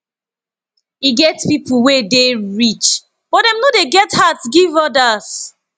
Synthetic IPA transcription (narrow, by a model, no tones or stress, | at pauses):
iɡɛtpipʰuwedeɹit͡ʃ | b̥ɔt̚dɛ̃mnodeɡɛthatɡivɔdas